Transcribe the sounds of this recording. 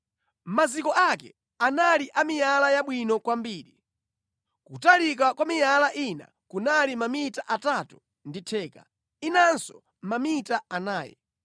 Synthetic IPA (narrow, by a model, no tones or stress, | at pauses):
mazikɔʔakɛ̰ | analiʔamijalajaɓwinɔkwambiːɾi | kutalik̬akwamijalaʔina̰ | kunalimamitaʔatatu̥ | nditʰɛːka̰ | inansɔ | mamitaanaːjɛ̰